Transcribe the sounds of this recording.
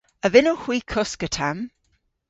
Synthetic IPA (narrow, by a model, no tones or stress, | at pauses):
əvɪnɔhwiːkʰʊskətʰam